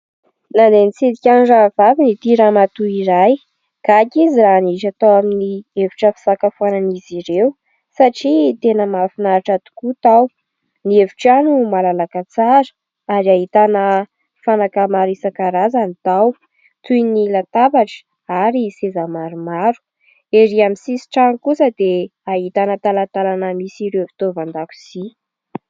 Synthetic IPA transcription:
nand̪enit͡sed̪ikʲanɖ͡ʐavavinit̪iɾamat̪uiɾaj | ɡ̥akiziɾanit͡ʃat̪awaminieviʈ͡ʂəfi̥sakafuananiziɾew | saʈ͡ʂit̪enəmafinaaʈ͡ʂat̪u̥kut̪aw | nieviʈ͡ʂanumalalakat͡saɾə̥ | aɾiaɦit̪anə | fanakamaɾisakaɾazanit̪aw | t̪ujnilat̪apaʈ͡ʂə̥ | aɾisezamaɾumaɾu̥ | eɾiamisisi̥ʈ͡ʂanikusəd̪eaɦit̪anət̪alat̪alanəmisiɾewvi̥t̪ovand̪aku̥si

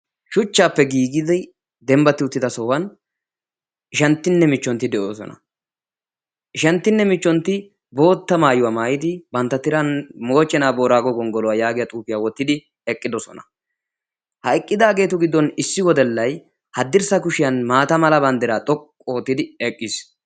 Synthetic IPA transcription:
ʃʊt͡ʃːaːpːɛɡiːɡɪzɐ | d̪ɛmbɐt̪ːɪʊt̪ːɪd̪ɐsɔwɐn | ɪʃɐnt̪ːɪnːɛmɪt͡ʃːɔnt̪ːɪd̪ɛʔoːsɔ̰nɐ̰ | ɪʃɐnt̪ːɪnːɛmɪt͡ʃːɔnt̪ːɪ | bo̞ːt̪ːɐmaːjʊwɐmaːjɪd̪ɪbɐnt̪ːɐt̪ɪɾɐnmo̞ːt͡ʃʼːɛnaːbo̞ːɾaːɡɔɡɔŋɡɔlɔwajaːɡɪjɐt̪ʼuːpɪjaːwɔt̪ːɪd̪ɪ | ɛkʼːɪd̪ɔsɔnɐ̥ | hɐɛkʼːɪd̪aːɡe̞ːt̪ʊɡɪd̪ːɔnɪsːɪwɔd̪ɛlːɐj | hɐd̪ːɪɾsɐkʊʃɪjɐnmaːt̪ɐmɐlɐbɐnd̪ɛɾaːt̪ʼɔkʼːo̞ːt̪ːɪd̪ɪɛkʼːis

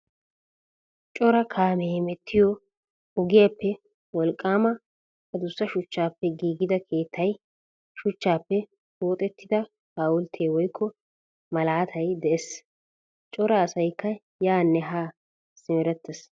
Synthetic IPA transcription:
t͡ʃʼɔɾɐkʰaːmemɛt̪ʰːɪjɔ | ʊɡɪjapːɛ | wɔlkʼːaːmɐ | kɐd̪ʊsːɐʃʊt͡ʃːaːpːɛɡiːɡɪd̪ɐkʰe̞ːt̪ʰːɐj | ʃʊt͡ʃːaːpːɛ | oːt̪ʼɛt̪ʰːɪd̪ɐ | kaːwʊlt̪ʰeːwɔjkʰːɔ | mɐlaːt̪ʰɐjd̪ɛʔɛs | t͡ʃʼɔɾɐːsɐjkːɐ | jaːnːɛɦaː | sɪmɛɾɛt̪ːɛs

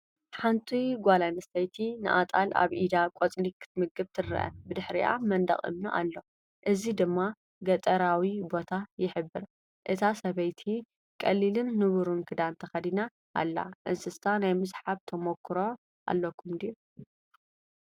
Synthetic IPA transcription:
ħant̪ʼʰujɡʷalanɐst̪ɐjt̪ʰinɨ̰ʔa̰t̪ʼala̰βʔid̪akʼot͡sʼlikʰɨ̥t̪ʰmɨɡɨβt̪ʰɨrɐ̰ʔɐ̰bɨd̪ɨħɾḭʔa̰mɐnd̪ɐ̰χʼɨ̰mnɐʔa̰lːo̞ | ʔɨzid̪ɨmːa | ɡɐt̪ʼɐɾawibo̞t̪ʰajɪħɨbːɨɾ | ʔɨt̪ʰasɐβɐjt̪ʰi | kʼɐlːilɨnːɨβuɾunkʰɨd̪ant̪ʰɐxɐd̪ina | ʔːlːa̰ʔɨnsɨst̪ʰanajmɨzħaβt̪ʰɐmokʰːɨɾo | a̰lːɐkʰːumd̪iu

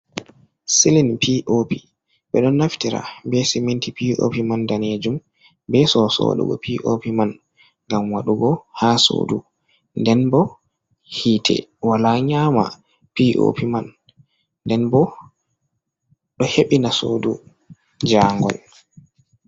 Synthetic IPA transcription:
silinpʰiʔopi | ɓɛɗɔnːaftiɾa̰bɛsimintipio̰pimandaned͡ʒum | bɛsɔsɔ̰ːɗṵɡɔ̰pʰiʔopiman | ŋɡamwaɗuɡɔhaso̰ːdu | ndɛnbɔ | hiːtʰɛ̰walaɲaːma̰ | piʔo̰pimanː | dɛnbɔ | ɗɔheɓinasoːdu | d͡ʒaːŋɡɔ̰l

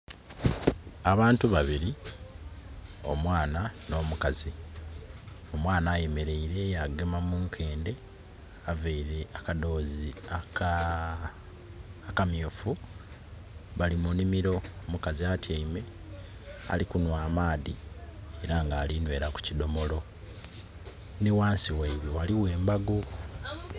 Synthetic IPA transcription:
aβaːntuβaβiɾi | o̞̰mwaːnano̞ːmukazi | o̞mwaːnaːje̞me̞ɾe̞iɾe̞jaɡe̞mamuːŋkʰe̞ːnde̞ | aveiɾe̞akado̞ːziak | kamjofu | βalimunimiɾo̞omukaziatjaime̞ | a̰likunwaːmaːðie̞ɾaŋɡaːlinwe̞ːɾaku̥cido̞mo̞lo̞ | niwaːnsiwaiβwe̞waliwe̞ːmbaɡu

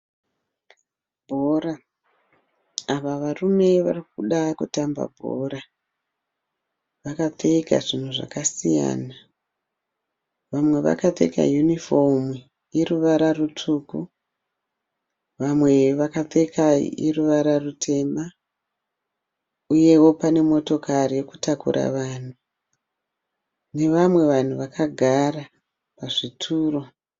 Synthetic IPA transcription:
bʱora | aʋaʋarume̞ʋarik̚uɗakutamba̰bʱo̰ːɾa | ʋakateika̰ʐin̤uʐa̰kasija̰ːna | ʋamwe̞ʋa̰katḛka̰junifom | iɾuʋaɾarutʰuku | ʋamwe̞ʋakate̞kaḭiruʋaɾarutʰe̞ma | uje̞wo̞pane̞mo̞to̞karije̞ku̥takṵɾʔa̰ʋaːn̤u | ne̞ʋamwe̞ʋan̤uʋakʰaɡʱara | paʐitʰuːro̞

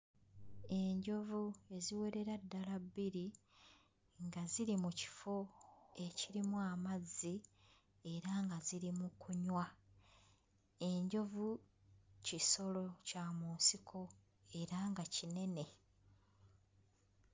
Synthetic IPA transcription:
e̞ɲɟo̞vue̞ziwe̞ɾe̞ɾadːalabːiɾi | ŋɡaziɾimuci̥fo̞e̞ciɾimuamazːi | e̞ɾaŋɡaziɾimukʰuɲwa | e̞ɲɟo̞vu | ciso̞lo̞camuːnsikʰo̞ | e̞ɾaŋɡacine̞ne̞

